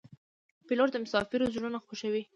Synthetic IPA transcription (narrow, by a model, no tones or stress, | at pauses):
piloɾd̪əmʊsɑfɪɾozɽunaxoʃawi